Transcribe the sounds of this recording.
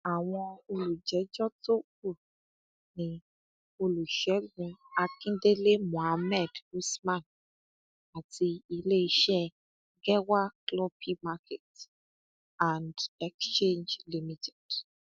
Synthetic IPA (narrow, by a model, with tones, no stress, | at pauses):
a˨w̃ɔ̃˧o˧lu˨d͡ʒɛ˨˦d͡ʒɔ˦to˦ku˦˨ | nĩ˧ | o˧lu˨ʃɛ˨˦ɡũ˧a˧kĩ˦de˦le˦mũ˨a˧mɛ˦˨du˦smã˦˨n | a˨ti˧i˧le˦i˧ʃɛ˦ | ɡɛ˦wa˦klɔ˦pʰi˦ma˧ke˨t | a˨ndɛ˨kst͡ʃẽ˦nd͡ʒli˦mĩ˦˨tɛ̥˨d̥